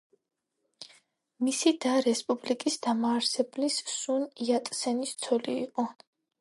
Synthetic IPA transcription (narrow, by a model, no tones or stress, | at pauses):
misid̪aɾɛspʼublikʼisd̪amaːɾsɛblissuniat̪ʼsɛnist̪sʰɔliḭqʼɔ